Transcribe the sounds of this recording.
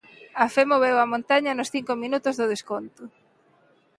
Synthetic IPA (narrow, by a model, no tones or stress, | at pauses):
ɐfɛmoβewɐmõnt̪aɲɐnʊsθiŋkomĩnut̪ʊzðʊðeskont̪ʊ